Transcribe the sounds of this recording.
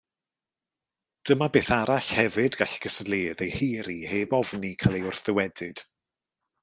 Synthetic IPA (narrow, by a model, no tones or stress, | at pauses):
d̥əmabeːθaɾaɬhɛvɨdɡaɬɡ̥əsədlˠeːðejheːɾiheːbɔvnikʰalˠejʊr̥θɪwɛdɨd̥